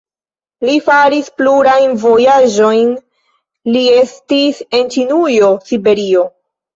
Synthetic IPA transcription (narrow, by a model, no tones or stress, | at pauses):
lifaɾispluɾajnvo̞jad͡ʒo̞jn | lie̞stise̞nt͡ʃinujo̞sibe̞ɾio̞